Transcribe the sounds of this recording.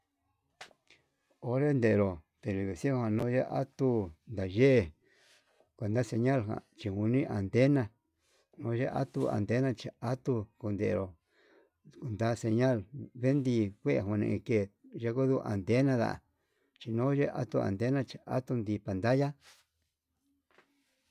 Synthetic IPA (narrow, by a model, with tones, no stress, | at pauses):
o˧ɾe˦nd̪e˨˧ɾo˨t̪e˨βi˨βi˨si˦hã˧nõ˧˦ʒe˦ʔa˦t̪u˦˧nd̪a˨ʒe˦e˧ | kʷe˨nd̪a˦se˧ɲã˦lɦã̰˨t͡ʃi˧hu˧nĩ˦ʔa˨nt̪e˦nã˧ | nõ˧˦ʒe˦ʔa̰˦t̪u˧a̰˨nt̪e˦nã˧t͡ʃi˧a˦t̪u˧ku˧nd̪e˨ʔɾo˨ | ku˧nd̪a˦se˧ɲã˦˨lβe˦nd̪i˧kʷe˦ʔe˧˨ɦũ˧nḛ̃˧ĩ˧ke˧˨ʒe˧ku˦ðu˦˧ʔa̰˨nd̪e˦nã˧ða̰˧˨a̰˨ | t͡ʃi˧nõ˦ʒe˦˧ʔa̰˦t̪u˧a̰˨nd̪e˦nã˦˧t͡ʃi˧ʔa̰˦t̪u˧nd̪i˧pa˨nd̪a˦ja˦